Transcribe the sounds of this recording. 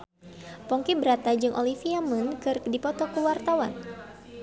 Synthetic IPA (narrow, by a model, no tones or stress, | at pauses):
pɔŋkibəɾat̪ad͡ʒɨŋʔolifiamunkɨrkdipɔt̪ɔkəwart̪awan